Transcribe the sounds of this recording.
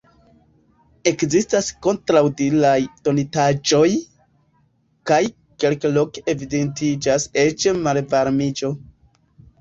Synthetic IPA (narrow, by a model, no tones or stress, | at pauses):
e̞kzistasko̞ntɾawdilajto̞nitad͡ʒo̞j | kaj | ke̞lklo̞keevidentid͡ʒase̞t͡ʃmalvaɾmid͡ʒo̞